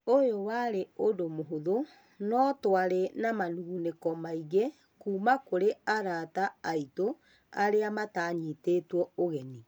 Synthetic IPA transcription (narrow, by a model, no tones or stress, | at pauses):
ojowaɾeodomoɦoðo | nɔtwaɾenamanuːnekɔmaiɣe | kuːmakoɾeaɾataaito | aɾeamataɲitetwɔoɣɛni